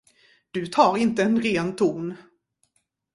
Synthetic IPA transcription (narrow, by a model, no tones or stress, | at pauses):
d̪̥ɵt̪ʰɑːɾɪnt̪əɛnɾeːnt̪ʰuːn